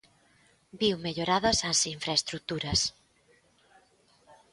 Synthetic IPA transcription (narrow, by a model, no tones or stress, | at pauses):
biwmeʎoɾaðɐsɐsiɱfɾaest̪ɾut̪uɾɐs